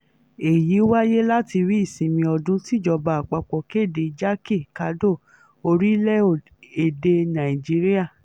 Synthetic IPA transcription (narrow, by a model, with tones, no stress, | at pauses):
e˨ji˨˦wa˦je˦la˦ti˧ɾi˦˨sĩ˨mĩ˧ɔ˧dũ˦ti˦˨d͡ʒɔ˧˨ba˨a˨k͡pa˧˨k͡pɔ˨ke˦˨de˨d͡ʒa˦ki˦˨ka˨˧˦do˦˨ | o˧ɾi˦lɛ˦˨ | e˨de˧nã˨i˨d͡ʒi˦ɾi˦a˦˨